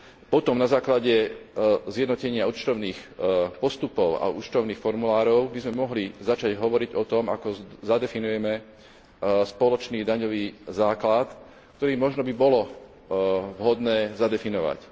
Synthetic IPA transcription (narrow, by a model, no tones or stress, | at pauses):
pɔt̪ɔmnazaːklaɟɛ | zjɛd̪nɔcɛɲɪaut͡ʃt̪ɔʊniːxpɔst̪upɔʊa̰ut͡ʃt̪ɔʊniːxfɔɾmulaːɾɔʊbizmɛmɔɦlizat͡ʃaɟɦɔʋɔɾiɟɔt̪ɔmakɔzad̪ɛfinujɛmɛ | spɔlɔt͡ʃniːd̪aɲɔʋiːzaːklat̪ | kt̪ɔɾiːmɔʒnɔbibɔlɔ | ʋɦɔd̪nɛːzad̪ɛfinɔʋa̰c